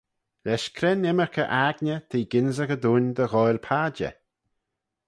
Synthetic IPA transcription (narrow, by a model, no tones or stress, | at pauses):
lɛʃkʰɾɛnɛməɹkʰəʔaɡnʲət̪ʰiːɡɪnzəɣəd̪uːnd̪əɣɔjlpʰaːd͡ʒə̰